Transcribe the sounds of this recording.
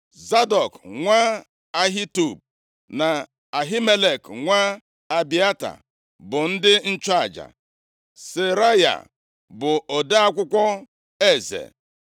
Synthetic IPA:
za˦dɔ˨kŋʷa˦ | a˦ɦi˦tu˨b̚ | na˨ | a˨ɦi˦me˦le˨kŋʷa˦ | a˨bi˦a˦ta̰˨ | bʊ˨n̩˦dɪ˦n̩˦t͡ʃa˦a˨d͡ʒa̰˨ | se˨ɾa˦ja̰˨ | bʊ˨ʔo˨de˦a˦kʷʊ˦kʷɔ˦ | e˦˨zḛ˨

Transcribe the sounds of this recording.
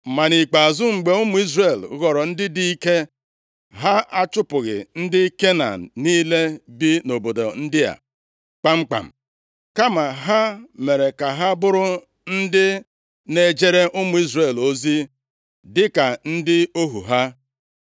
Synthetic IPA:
ma˨ni˨k͡pa˨zʊ˦ŋ͡m̩˨ɡ͡be˨ʊ˦mʊ˨˦i˦zɾe˨lɣɔ˨ɾɔ˨n̩˦dɪ˦di˦i˦ke˦ | ɦa˦a˦t͡ʃʊ˦pʊ˨ɣɪ̰˨n̩˦dɪ˦ke˦na̰˨n˨niː˦le˦bi˦no˨bo˨do̰˨n̩˦dɪ˦a̰˨ | k͡pa˦ŋ͡m̩˦k͡pa̰˨m̩˨ | ka˦ma˨ɦa˦me˨ɾe˨ka˨ɦa˦bʊ˦ɾʊ˦ | n̩˦dɪ˦ | ne˨d͡ʒe˦ɾe˦ʔʊ˦mʊ˨˦i˦zɾe˨lo˦zi˦ | dɪ˦ka˨n̩˦dɪ˦o˦ɦṵ˨ɦa˦

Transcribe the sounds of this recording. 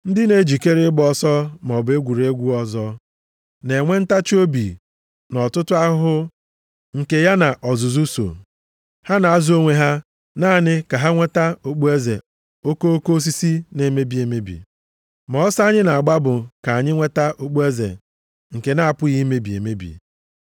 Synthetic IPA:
n̩˦dɪ˦ne˨d͡ʒi˨ke˦ɾɪ˦ɡ͡bɔ˦sɔ˦m˨ɔ˨be˦ɡʷu˨ɾe˦ɡʷu˦ɔ˦zɔ˦ | ne˨ŋʷe˦n̩˦ta˦t͡ʃo˦bi˨ | nɔ˨tʊ˦tʊ˦a˦ɦʊ˦ | ŋ̩˨ke˨ja˦na˨ʔɔ˨zʊ˨zu˦so̰˨ | ha˦na˨a˦˨zo˦ŋʷe˦ɦa˦ | naː˦˨nɪ˦ka˨ɦa˦ŋʷe˦ta˦o˨k͡pu˦e˦zḛ˨ | o˦ko˦o˦ko˦o˦s̬i˦si˦ne˨me˦bi˨e˨me˦bḭ˨ | mɔ˨ɔ˦sɲɪ˦na˨a˨ɡ͡ba˦bʊ˨ka˨a˨ɲɪ˦ŋʷe˦ta˦ʔo˨k͡pu˦e˦zḛ˨ | ŋ̩˨ke˨na˦a˨pʊ˦ɣi˦me˦bi˨ḛ˨me˦bḭ˨

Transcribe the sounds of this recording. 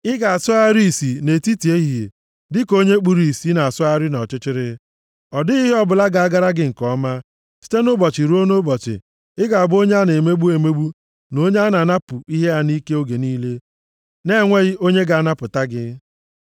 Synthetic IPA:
ɪ˦ɡa˨a˨sʊ˦a˦ɾi˦i˨si˨ne˨ti˦ti˨e˦ɦi˨e˨ | dɪ˦ko˦ɲe˦k͡pu˨ɾi˨i˨si˨˦na˨a˨sʊ˦a˦ɾɪ˦nɔ˨t͡ʃɪ˦t͡ʃɪ˦ɾɪ˦ | ɔ˨dɪ˦i˦ɦe˦ɔ˦bʊ˨la˦ɡa˨a˦ɡa˦ɾa˦ɡɪ˦ŋ̩˨kɔ˦ma˦ | si̥˦te˦nʊ˦bɔ˨t͡ʃɪ˨ɾu˦o˦no˦bɔ˨t͡ʃɪ̰˨ | ɪ˦ɡa˨a˨bʊ˦o˦ɲe˦a˦ne˨me˦ɡ͡bu˦e˨me˦ɡ͡bu˦ | no˦ɲe˦a˦na˨na˦pʊ˨i˦ɦe˦a˦ni˦ke˦o˦ɡe˨niː˦le˦ | ne˦˨ŋʷe˦ɣɪ˦o˦ɲe˦ɡa˨a˨na˦pʊ˨ta˦ɡɪ˦

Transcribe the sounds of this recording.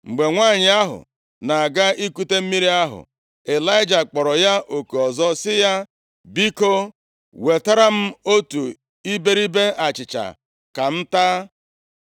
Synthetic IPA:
ŋ͡m̩˨ɡ͡be˨ŋʷa˦˨ɲɪ˨a˦ɦʊ̰˨ | na˨a˨ɡa˦i˦ku˦te˦m̩˦mi˦ɾi˦a˦ɦʊ̰˨ | e˨la˦ɪ˦d͡ʒa˨k͡pɔ˨ɾɔ˨ja˦ʔo˨ke˨ɔ˨zɔ˦sɪ˦ja˦ | bi˦ko˦ | we˨ta˦ɾa˦m̩˦o˦tu˨ | i˦be˦ɾi˦be˦a˨t͡ʃɪ˨t͡ʃa̰˨ | ka˨n̩˦ta˦

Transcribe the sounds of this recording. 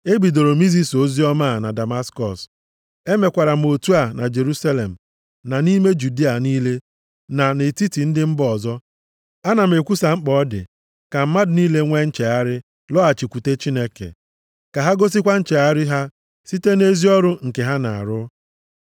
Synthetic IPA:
e˦ɡ͡bi˨do˨ɾo˨mi˦zi˦so˦zi˦ɔ˦ma˦˨na˨da˨ma˦skɔ̰˨s | e˦me˨kʷa˨ɾa˨m̩˨o˨tu˦a˨na˨d͡ʒe˨ɾu˦sa˦le˨m̩˨ | na˨ni˦me˦d͡ʒu˨di˦a˨niː˦le˦ | na˨ne˨ti˦ti˨n̩˦dɪ˦m̩˦bɔ˨zɔ˦ | a˦na˨m̩˨e˨kʷu˦sa˨ŋ͡m̩˦k͡pɔ˦dɪ̰˨ | ka˨m̩˦ma˦dʊ˨niː˦le˦ŋʷe˦n̩˦t͡ʃe˨a˦ɾɪ˦ | lɔ˦a˨t͡ʃi˨kʷu˨te˦t͡ʃi˦ne˦kḛ˨ | ka˨ɦa˦ɡo˦s̬i˦kʷa˦n̩˦t͡ʃe˨a˦ɾɪ˦ɦa˦ | si˦te˦ne˦zi˦ɔ˦ɾʊ˦ŋ̩˨ke˨ɦa˦na˨a̰˨ɾʊ˦

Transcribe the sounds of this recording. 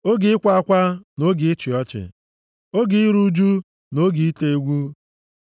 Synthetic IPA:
o˦ɡɪ˨ɪ˦kʷa˦a˦kʷa˦no˦ɡɪ˨ɪ˦t͡ʃɪ˨ɔ˦t͡ʃɪ̰˨ | o˦ɡɪ˨i˦ɾu˦d͡ʒu˦ | no˦ɡɪ˨i˦te˦ɡʷu˦

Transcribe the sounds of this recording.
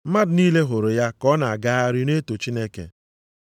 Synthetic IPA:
m̩˦ma˦dʊ˨niː˦le˦ɦo˨ɾo˨ja˦kɔ˦na˨a˨ɡa˦a˦ɾɪ˦ne˦to˨t͡ʃi˦ne˦kḛ˨

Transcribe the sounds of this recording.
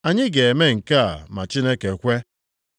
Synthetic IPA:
a˨ɲɪ˦ɡe˨e˨me˦ŋ̩˨ka̰˦˨ma˨t͡ʃi˦ne˦ke˨kʷe˦

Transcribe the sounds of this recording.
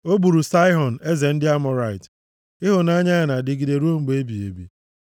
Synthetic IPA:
o˦bu˨ɾu˨sa˦ɪ˦ɦɔ˨n˨e˦ze˨n̩˦dɪ˦a˦mɔ˨ɾa˦˨ɪ˨t | ɪ˦ɦʊ˨na˦ɲa˦a˨na˨dɪ˨ɡi˨de˨ɾu˦o˦ŋ͡m̩˨ɡ͡be˦bi˨ḛ˨bḭ˨

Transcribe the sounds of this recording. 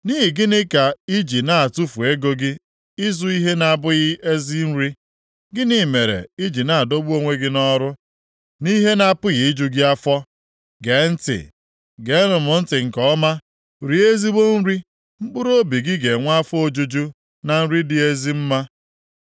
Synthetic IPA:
ni˦ɦi˨ɡɪ˦nɪ˦ka˨i˦d͡ʒi˨na˦˨a˨tu˦fu˨e˦ɡo˦ɡɪ˦ | ɪ˦zu˦i˦ɦe˦na˨bʊ˦ɣɪ˦e˦zi˦n̩˦ɾi˦ | ɡɪ˦ni˦˨me˨ɾḛ˨i˦d͡ʒi˨na˨a˨do˦bu˦o˦ŋʷe˦ɡɪ˦nɔ˦ɾʊ˦ | ni˦ɦe˦na˨pʊ˦ɣɪ˨ɪ˦d͡ʒu˦ɡɪ˦a˦fɔ˦ | ɡe˨˦n̩˦tɪ̰˨ | ɡe˨˦nʊ˨mʊ˨n̩˦tɪ˨ŋ̩˨kɔ˦ma˦ | ɾi˨˦e˦zi˦ɡ͡bo˦n̩˦ɾi˦ | ŋ͡m̩˦k͡pʊ˦ɾo˦bi˨ɡɪ˦ɡe˨ŋʷa˦fʊ˦o˦d͡ʒu˦d͡ʒu˦ | na˨n̩˦ɾi˦dɪ˦e˦zi˦m̩˦ma˦

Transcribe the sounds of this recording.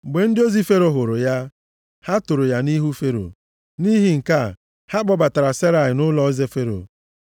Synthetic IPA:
ɡ͡be˨n̩˦dɪ˦o˦zi˦fe˦ɾo˨ɦʊ˨ɾʊ˨ja˦ | ha˦tʊ˨ɾʊ˨ja˦ni˦ɦu˦fe˦ɾo̰˨ | ni˦ɦi˦ŋ̩˨ka˦˨ | ha˦k͡pɔ˦ba˨ta˨ɾa˨se˦ɾa˨ɪ˨nʊ˦lɔ˦ze˦fe˦ɾo̰˨

